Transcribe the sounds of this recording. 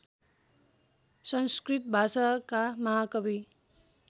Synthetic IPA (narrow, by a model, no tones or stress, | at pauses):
sʌnskrit̪̚bʱasakamʌɦakʌbi